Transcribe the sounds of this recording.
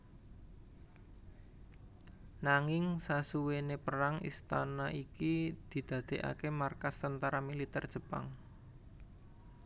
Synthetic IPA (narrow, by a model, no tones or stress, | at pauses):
naŋɪŋsasuwenepəɾaŋḭst̪anaʔikid̪̥i̤d̪̥ä̤d̪̥e̤ʔa̰kemarkast̪ənt̪aɾamilit̪ɛrd̥ʒ̥ə̤pa̰ŋ